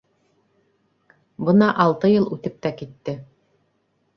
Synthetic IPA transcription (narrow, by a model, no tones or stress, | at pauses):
bɤnɑʔɑlˠt̪ɤjɤlˠʉt̪ɘp̚t̪ækit̪ːɘ